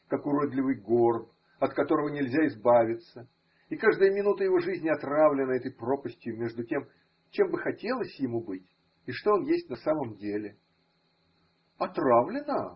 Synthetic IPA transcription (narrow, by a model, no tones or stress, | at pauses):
kakʊɾod̪lʲɪvɨjɡo̞rb | ɐt̪kɐt̪o̞ɾəvənʲɪlʲzʲaɪzbavʲɪt̪sə | ikaʐd̪əjəmʲɪnut̪əjɪvo̞ʐɨzʲnʲɪɐt̪ravlʲɪnəɛt̪əjpro̞pəsʲtʲjʊmʲe̞ʐd̪ʊtʲe̞m | t͡ɕe̞mbɨxɐtʲe̞lˠəsʲjɪmubɨtʲ | ɪʂt̪o̞onjesʲtʲnɐsaməmdʲelʲɪ | ɐt̪ravlʲɪnə